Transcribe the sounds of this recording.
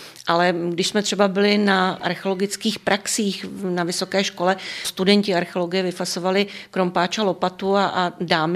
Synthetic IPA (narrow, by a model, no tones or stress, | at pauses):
ʔalɛɡdɪʃsmɛt̪r̥ɛbabɪlɪnaʔa̰ɾxɛoloɡɪt͡skiːxpɾʔaksiːxnavɪso̞kɛːʃko̞lɛst̪udɛɲcɪaɾxɛolo̞ɡɪjɛvɪfasovalɪkɾompaːt͡ʃalo̞pat̪uaʔdaːm